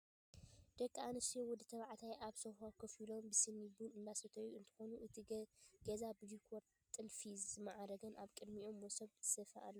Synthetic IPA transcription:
d̪̥ɐkʼːaanɨsjowɔd̪ɨt̪ʰɐβaʕt̪ʰajʔaβsohakʰɐfilombɨsɨnːibunɨnd̪asɐt̪ʰɐjuɨnt̪ʰɨ̥xonuʔɨt̪ʰiɡezabɨd͡ʒikʰoɾ | t̪ʼːɨlfizɨmaʕaɾɐɡɐnʔaβkʼɨd̪miomːosɐβt̪ʰɨ̥sɐfɐʔa̰lːɐ

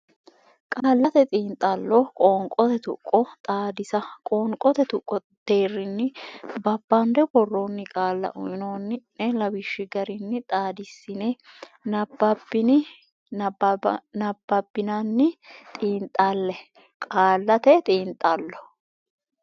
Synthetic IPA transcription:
kʼaːlːɐt̪ɛt̪ʼiːnt̪ʼːɐlːɔkʼoːŋkʼɔt̪ɛt̪ʊ̰kʼːɔt̪ʼaːd̪ɪsɐkʼoːŋkʼɔt̪ɛt̪ʊkʼːɔ | d̪̥eːrːɪnːɪbɐbːɐnd̪ɛɡɔrːoːnːɪkʼaːlːɐ̰ʔʊjɪnoːnːɪnɛlɐbɪʃːɪɡɐɾɪnːɪt̪ʼaːd̪ɪsːɪnenɐbːɐbɪnɪ | nɐbːɐbːɪnanːɪt̪ʼiːnt̪ʼːalːɛ | kʼaːlːɐt̪ɛt̪ʼiːnt̪ʼːɐlːɔ

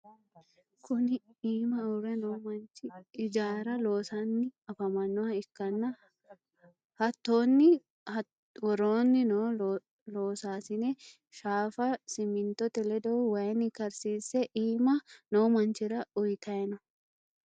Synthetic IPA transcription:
kʰʊniːmɐʊrɛnoːmɐnt͡ʃɪɪd͡ʒaːɾɐloːsanːɪɐfɐmɐnːɔɐɪkːɐnːɐ | hɐt̪ːoːnːɪ | wɔɾoːnːɪnoː | loːsaːsɪnɛ | ʃaːfɐsɪmɪnt̪ɔt̪ɛlɛd̪ɐʊwɐɛnːɪkɐɾsiːsɛʔiːmɐnoːmɐnt͡ʃɪɾɐʊjt̪ɐɛnʊ

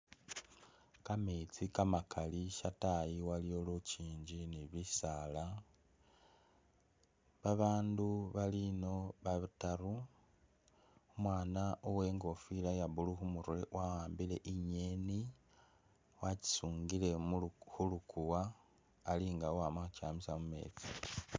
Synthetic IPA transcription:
kamet͡sikamakʰaliʃatajiwalijoluciːɲɟiniβisala | βaβaːnduβalino̞βaβitaɾu | omwaːnaʔowe̞ːŋɡo̞filajaβuluxumuɾwe̞wʔawaːmbile̞ʔiɲeːni | waci̥suːŋɡile̞xulukuwaː | liŋɡawowamaxucaːmisamume̞̰ːt͡si

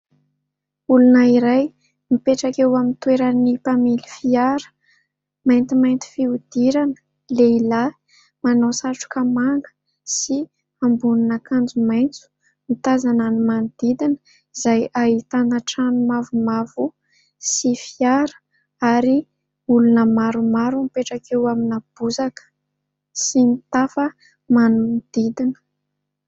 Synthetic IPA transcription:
ulunəiɾaj | mipeʈ͡ʂakewamint̪weɾanipamilifiaɾə̥ | majnt̪imajnt̪i̥fiud̪̥iɾanə̥ | leila | manosaʈ͡ʂu̥kəmaŋɡə̥ | si | ambuninakand͡zumajnt͡su̥ | mit̪azananimanud̪̥id̪inə̥ | z̥ajaɦit̪anaʈ͡ʂanumavumavu | sifiaɾə̥ | aɾi | ulunəmaɾumaɾumipeʈ͡ʂakʰewaminab̥uzakə̥ | sinit̪afə | manunid̪̥id̪inə̥

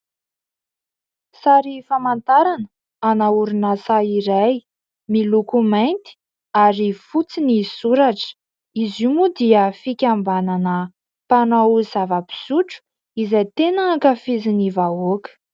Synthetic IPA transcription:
saɾifamant̪aɾanə | anauɾunasaiɾaj | milukumajnt̪i̥ | aɾifut͡sinisuɾaʈ͡ʂə̥ | izumud̪iəfikʲambananə | panawuzavəpi̥suʈ͡ʂu̥ | izajt̪enəːkəfizinivaokə̥

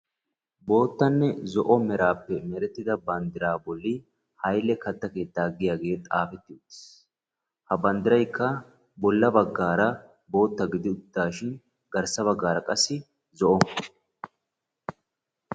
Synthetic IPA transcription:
bo̞ːt̪ːɐnːɛzɔʔɔmɛɾaːpːɛmɛɾɛt̪ːɪd̪ɐbɐnd̪ɪɾaːbɔlːɪ | hɐjlːɛkɐt̪ːɐke̞ːt̪ːaɡɪjaːɡe̞ːt̪ʼaːfɛt̪ːɪʊt̪ːɪ̥s | hɐbɐnd̪ɪɾɐjkːɐ | bɔlːɐbɐɡːaːɾɐ | bo̞ːt̪ːɐɡɪd̪ɪʊd̪ːaːʃɪn | ɡɐɾsɐβɐɡːaːɾɐkʼɐsːɪ | zɔʔɔ

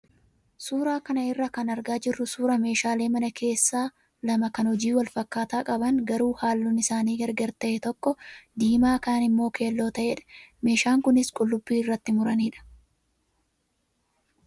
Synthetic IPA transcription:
suːɾaːkɐnɐɪrːɐkɐnɐɾɡaːd͡ʒɪrːʊsuːɾɐme̞ːʃaːle̞ːmɐnɐkʰe̞ːsːaː | lɐmɐkɐnhɔd͡ʒiːwɐlfɐkːaːt̪aːkʼɐbɐŋɡɐɾuːhaːlːʊnɪsaːniːɡɐɾɡɐɾt̪ɐʔɛt̪ɔkːɔd̪iːmaːkaːnɪmːo̞ːke̞ːlːo̞ːt̪ɐʔeᶑɐ̥me̞ːʃaːŋkʊnɪskʼʊlːʊbːiːɪrːɐt̪ːɪmʊɾɐniːᶑɐ̥

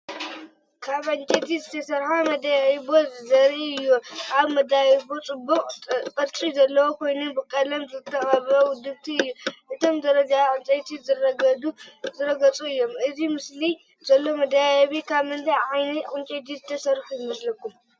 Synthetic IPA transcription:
kʰaβʕɨnt͡ʃʼet̪ʰizɨt̪ʰɐsɐɾħamɐd̪ajaibozɐɾiɨjːuʔaβmɐd̪ajibot͡sʼɨbːuqʼkʼɐɾt͡ʃʼizɐlːɐwokʰo̞jnubɨkʼɐlɐmzɨt̪ʰːɐχʼaβɾɐwʊd̪ɨβt̪ʰiɨjːuʔɨt̪ʰomd̪ɐɾɐd͡ʒaʕɨnt͡ʃʼɐjt̪ʰizɨrɐɡɐd̪uzɨɾɐɡɐt͡sʼuɨjːo̞mʔɨzimɨsli | zɐlːo̞mɐd̪ajajβikʰaβmɨnt̪ʰajʕajnɐʕɨnt͡ʃʼet̪̬izɨt̪ʰɐsɐɾħujɨmɐslɐkːum

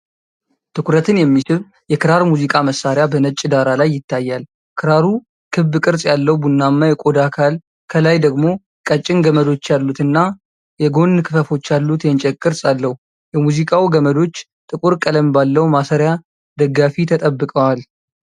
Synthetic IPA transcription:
t̪ʰɨkʰuɾət̪ʰɨnjɛmːisɨβ | jɛkʰɨɾaɾmuzikʼaməsːaɾɪjabənət͡ʃʼːɪd̪aɾalajːɪt̪ːajːal | kʰɨɾaɾu | kʰɨbːɨkʼɨɾsʼjalːəwbunːamːajɛkʼo̞d̪akʰal | kʰəlajd̪əɡmo̞ | kʼət͡ʃʼːɪnɡəməd̪o̞t͡ʃːjalːut̪ɨnːa | jɛɡo̞nːkʰɨfəfo̞t͡ʃːjalːut̪jɛnt͡ʃʼɛkʼɨɾsʼalːəhu | jɛmuzikʼawuɡəməd̪o̞t͡ʃː | t̪ʼɨkʼuɾkʼələmbalːəwmasəɾja | d̪əɡːafit̪ʰət̪ʼəbːɨkʼəwal

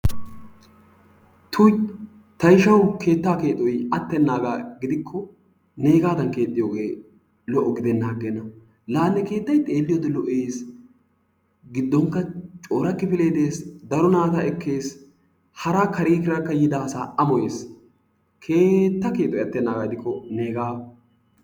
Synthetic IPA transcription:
t̪ʰʊ | t̪ɐjʃɐwkʰe̞ːt̪ːaːke̞ːt̪ʼːɔjɐt̪ːɛnːaːɡaɡɪd̪ɪkʰːɔ | neːɡaːd̪ɐnke̞ːt̪ʼːɪjo̞ːɡe̞ː | lɔʔːɔɡɪd̪ɛnːaːɡɛnːɐ | laːnːɛke̞ːt̪ːɐjt̪ʼe̞ːlːɪjɔd̪ɛlɔʔeːs | ɡɪd̪ːɔŋkːɐt͡ʃʼo̞ːɾɐkːɪpɪleːd̪eːsd̪ɐɾɔnaːt̪ɐɛkːe̞ːs | hɐɾakɐɾiːkɪɾɐkːɐjɪd̪aːsaːʔɐmɔjeːs | kʰe̞ːt̪ːɐke̞ːt̪ʼːɔjɐt̪ːɛnːaːɡɐɡɪd̪ɪkʰːɔne̞ːɡaː

